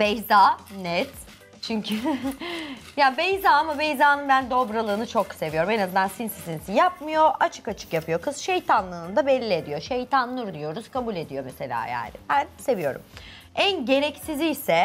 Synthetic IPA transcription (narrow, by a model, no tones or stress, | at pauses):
bejzaːnɛt̪ | t͡ʃʰyɲcʰy | jaːbejzaːamabejzaːnɯnbænd̪o̞bɾalˠɯːnɯt͡ʃʰo̞kse̞vijo̞ɾume̞nazɯnd̪ansinsizinsijap̚mɯjo̞ʔat͡ʃʰɯ̥kat͡ʃʰɯ̥kjapʰɯjo̞kʰɯsʃejt̪ʰanlˠɯːnd̪abelʲːie̞d̪ijo̞ʃejt̪ʰanlˠɯɾd̪ijo̞ɾuz̥kʰabulʲe̞d̪ijo̞me̞se̞lʲa̰ːja̰ːnɪ̰bænse̞vijo̞ɾṵm | ænɟe̞ɾɛcsizijsɛ